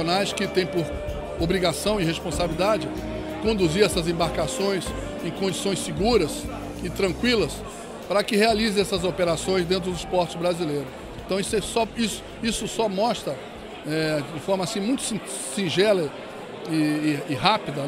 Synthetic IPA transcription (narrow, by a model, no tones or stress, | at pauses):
onajskɪt̪ẽj̃poɾ | obɾiɡasɐ̃w̃ɪɦespõsabilid̪ad͡ʒɪ | kõnd̪uziɾɛsɐzẽbaɾkasõj̃s | ẽj̃kõd͡ʒisõj̃sɪɡuɾɐs | ɪt̪ɾɐ̃kwilɐs | pɾɐkɪhealizẽɛsɐzopeɾasõj̃zd̪ẽnt̪ɾʊd̪ʊispɔɾt͡ʃɪzbɾazilejɾʊ | ẽt̪ɐ̃w̃isɛsɔisʊ̥ | isʊsɔmɔst̪ɾɐ | ɛd͡ʒɪfɔɾmɐasĩmũj̃t̪ʊ̥sĩ | sĩʒɛlɐ | ɪɪɦapid̪ɐ